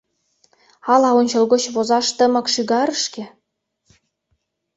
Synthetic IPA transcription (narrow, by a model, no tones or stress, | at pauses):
ɑlɑonʲt͡ɕɤ̆lˠɡot͡ɕβozɑʃt̪ə̆mɤ̆kʃyɣɑɾə̆ʃkʲĕ